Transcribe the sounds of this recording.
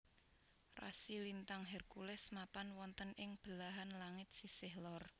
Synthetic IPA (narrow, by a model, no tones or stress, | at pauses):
ra̰silint̪aŋɦɛrkulɛsmapanwɔnt̪ənɪŋb̥ə̤laɦanlaŋɪt̪̚sisɪhlɔr